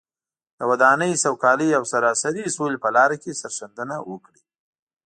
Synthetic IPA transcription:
d̪̥əwad̪ɑnəjsawkɑləjawsaɾɑsaɾisolepəlɑɾakesaɾʃand̪ənawəkɽi

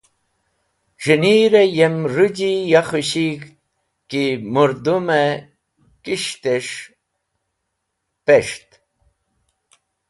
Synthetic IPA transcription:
ʐiniɾejemɾud͡ʑijaχuɕik | kimuɾd̪ume | kiʂt̪eʂ | peʂt̪

